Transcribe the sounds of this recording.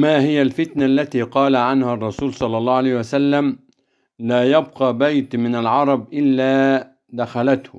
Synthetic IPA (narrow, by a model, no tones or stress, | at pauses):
maːhɪjalfɪt̪naʔlːat̪iːqɑːlaʕanhaɑrˤːɑsuːlsˤɑlːɑlˤːɑːalajhwasalːam | laːjab̚qɑːbajt̪mɪnalʕɑɾˤɑbʔɪlːaː | d̪axalat̪hʊ̰